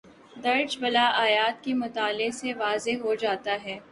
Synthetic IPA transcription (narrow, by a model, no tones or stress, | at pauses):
d̪ɐɾd͡ʒbɐlaʔaːjaːt̪kemʊt̪aːleseʋaːzeɦod͡ʒaːt̪aɦɛː